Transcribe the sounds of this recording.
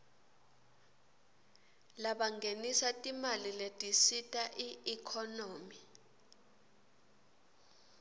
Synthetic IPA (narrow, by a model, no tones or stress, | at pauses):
laɓaŋɡʱenisatʼimaliletʼisitʼaʔiikʰɔnoːmi